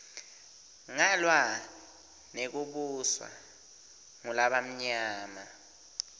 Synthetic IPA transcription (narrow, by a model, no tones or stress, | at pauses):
ŋalwa | nek̬uɓuswa̰ | ŋulaɓam̩ɲaːma